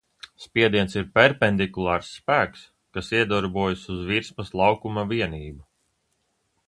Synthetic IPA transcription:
spiɛd̪iɛnsiɾpʲɛɾpɛnd̪ikulˠɑːɾsːpæːks | kasiɛd̪ɔɾbuɔjasuzviɾsmɐslˠɑwkumaviɛniːbu

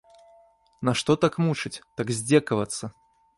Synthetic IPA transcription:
naʂt̪ɔt̪akmut͡ʂɨt͡sʲt̪aɡzʲd͡zʲɛkɐvɐt̪sːɐ

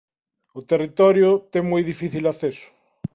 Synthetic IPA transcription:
ʊt̪erit̪ɔɾjʊt̪ɛŋmɔjðifiθilaθesʊ̥

